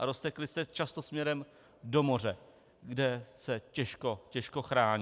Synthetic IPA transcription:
ʔaɾost̪ɛklɪsɛt͡ʃast̪osmɲɛɾɛm | do̞mo̞r̝ɛ | ɡdɛsɛcɛʃkocɛʃko̞xɾaːɲ

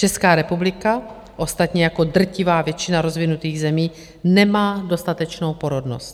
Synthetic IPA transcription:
t͡ʃɛskaːɾɛpublɪka | ʔo̞st̪at̪ɲɛjako̞d̪r̩cɪvaːvjɛt͡ʃɪnaɾo̞zvɪnut̪iːɣzɛmiː | nɛmaːdo̞st̪at̪ɛt͡ʃno̞wpo̞ɾodno̞̰st̪

